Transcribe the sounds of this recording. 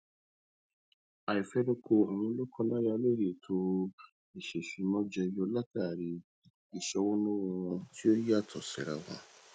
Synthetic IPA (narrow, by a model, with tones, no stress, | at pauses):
a˨i˨fɛ˦dɛ˦kʰo˧o˨wũ˧˦lo˦kʰɔ˧la˦ja˧˦le˦˨ɾe˨tʰo˧ | i˨ʃe˨ʃi˨˦mɔ̃˦d͡ʒɛ˧jɔ˧˦la˦ta˦˨ɾi˨ | i˨ʃɛ˧wõ˦nõ˦w̃ti˦o˦ji˦a˦˨tʰɔ˨sḭ˨ɾa̰˨wa̰˧